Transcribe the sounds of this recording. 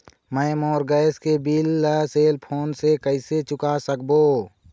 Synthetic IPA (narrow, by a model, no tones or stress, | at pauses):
mə̃ːmoːɾɡəːskebilːəseːlpʰoːnsekəɪset͡ʃʊkasəkboː